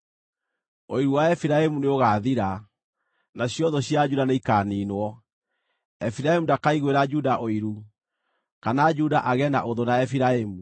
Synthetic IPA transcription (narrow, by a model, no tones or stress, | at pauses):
oiɾuwaɛfiɾaemuneoɣaːðiɾa | naɕjɔðɔɕjad͡ʒudaneikaːniːnwɔ | ɛfiɾaemundakaiɣweɾad͡ʒudaʔoiɾu | kanad͡ʒudaʔaɣɛnaʔoðonaɛfiɾaemu